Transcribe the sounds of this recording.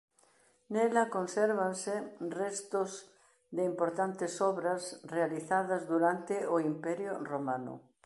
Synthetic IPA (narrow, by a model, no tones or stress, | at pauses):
nɛlɐkonsɛɾβansɪrɛst̪ʊz | d̪ɪimpoɾt̪ant̪ɪsɔβɾasrealiθaðɐzðuɾant̪ɪoimpɛɾjʊromanʊ̰